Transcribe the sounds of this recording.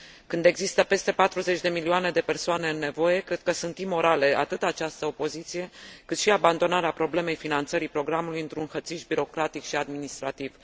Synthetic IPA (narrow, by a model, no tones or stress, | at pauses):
kɨnd̪e̞ɡzist̪əpe̞st̪e̞pat̪ɾuze̞t͡ʃʲd̪e̞milioane̞d̪e̞pe̞rsoane̞ɨnːe̞vo̞je̞kɾe̞d̪̥̚kəsunt̪imːo̞ɾale̞at̪ɨt̪at͡ʃast̪əo̞po̞zit̪sije̞kɨt̪ʃiaband̪o̞naɾeapɾo̞ble̞me̞jfinant̪səɾipɾo̞ɡɾamulujɨnt̪ɾunxət̪siʃbiɾo̞kɾat̪ikʃiad̪minist̪ɾat̪iv